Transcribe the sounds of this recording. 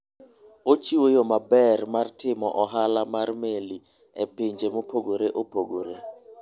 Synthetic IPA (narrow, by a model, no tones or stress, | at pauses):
ot͡ʃiwojomabɛrmartʰɪmɔʔɔɦalamarmeli | epeɲd͡ʒemopʰoɡoɾeʔopoɡoɾe